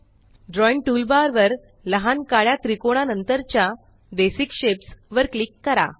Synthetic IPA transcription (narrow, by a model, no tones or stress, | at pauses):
ɖɾɔjɳʈuːlbaɾʋəɾ | ləɦankaɭjat̪ɾikoɽ̃anənt̪əɾt͡ɕja | d̪esikɕepsʋəɾklikːəɾa̰